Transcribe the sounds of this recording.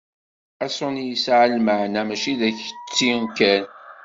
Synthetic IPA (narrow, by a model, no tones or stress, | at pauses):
æsʊnjisʕəlməʕnæmæʃiðæçə̥t͡sːinkæn